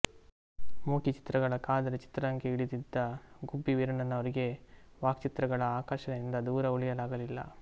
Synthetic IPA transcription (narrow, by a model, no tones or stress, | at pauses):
muːkit͡ʃi̥t̪ɾɐɡɐɭɐkaːd̪ɐɾɐt͡ʃi̥t̪ɾɐɐŋkeiɭid̪id̪ːɐɡubːiʋiɾɐɳɐnːɐʋɐɾiɡe̞ʋaːkt͡ʃit̪ɾɐɡɐɭɐaːkaːʃɐnɐind̪ɐd̪uːɾɐuɭijɐlaːɡɐlilːɐ̰